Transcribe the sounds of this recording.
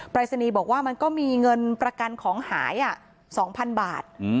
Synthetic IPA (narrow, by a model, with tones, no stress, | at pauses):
pɾaː˧sa˧niː˧bɔː˨˩k̚waː˥˩ma˧nkɔː˥˩miː˧ŋɤ˧npɾa˧ka˧nkʰɔː˩˦ŋhaː˩˦jʔa˨˩ʔ | sɔː˩˦ŋpʰa˧nbaː˨˩t̪̚ː